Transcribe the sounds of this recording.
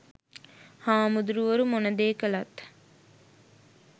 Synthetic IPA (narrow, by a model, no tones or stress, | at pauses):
haːmud̪uɾuʋəɾumonəd̪eːkəlat̪